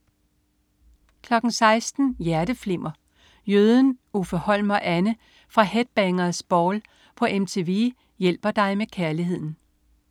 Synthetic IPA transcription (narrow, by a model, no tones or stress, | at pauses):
kʰlɒ̽ɡ̥n̩sɑ̈ɪsd̥n̩jæɐd̥əfle̝m̰ɐ | jøːð̞ˠnufɒhɒ̽l̰mɐʔænə | fʁɑ̈hed̥̚b̥æŋɐð̩ˠsb̥ɒːl | pʰɒ̽ʔemt͡sʰe̝ʋe | jel̰b̥ɐd̥ɑ̈ɪmekʰæɐliɦe̝ð̞̰ˠn̩